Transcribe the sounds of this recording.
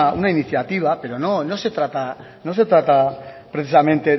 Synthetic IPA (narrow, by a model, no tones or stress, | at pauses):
unainiθjat̪iβ̞ape̞ɾo̞no̞no̞se̞t̪ɾat̪a | no̞se̞t̪ɾat̪apɾeθisamẽnt̪e̞